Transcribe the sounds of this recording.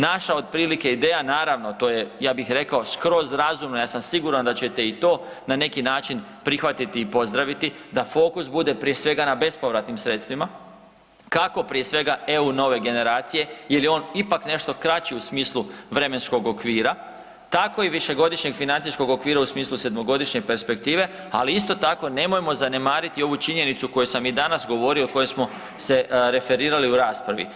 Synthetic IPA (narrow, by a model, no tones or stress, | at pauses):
naʃaod̪̚pɾiːlikeid̪e̞ːjanaːɾaʋno̞t̪o̞ːje̞jaːbixɾe̞kao̞skɾo̞zɾazumnojaːsamsiɡuɾand̪at͡ɕe̞t̪e̞it̪o̞ː | nane̞kinaːt͡ʃinpɾixʋat̪it̪iːpo̞zd̪ɾaʋit̪id̪afo̞ːkusbud̪e̞pɾije̞sʋe̞ɡanabe̞spo̞ʋɾat̪nimsɾe̞t̪st̪ʋima | kako̞pɾijesʋe̞ɡae̞uno̞ʋe̞ɡe̞ne̞ɾaːt̪sije̞jelio̞ːnipakne̞ʃt̪o̞kɾat͡ɕiusmiːslˠuʋɾe̞me̞nsko̞ɡo̞kʋiːɾa | t̪ako̞iʋiʃe̞ɡo̞d̪iʃɲe̞ɡfinant̪sisko̞ɡo̞kʋiːɾausmiːslˠuse̞d̪mo̞ɡo̞d̪iʃɲe̞pe̞ɾspe̞k̚t̪iːʋe̞ | aliist̪o̞t̪ako̞ne̞mo̞jmo̞zane̞maːɾit̪io̞ʋut͡ʃiɲe̞nit̪suko̞jusamid̪anasɡo̞ʋo̞ɾio̞iko̞jesmo̞ | se̞ɾe̞fe̞ɾiːɾaliuɾaːspɾaʋḭ